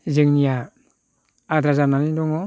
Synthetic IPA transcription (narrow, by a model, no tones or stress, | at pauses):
zɯŋnia | dɾazamanidoŋo